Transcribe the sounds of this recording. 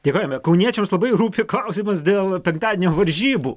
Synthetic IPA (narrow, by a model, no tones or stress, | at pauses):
d̪ʲekoːjoːmʲɛkɐʊnʲiɛt͡ʃʲɛmslˠɐbɐɪɾuːpʲɪklˠɐʊsʲimɐsd̪ʲeːlˠpʲɛŋkt̪ɑːdʲɪɛnʲoːʋɐɾʲʒʲiːbṵː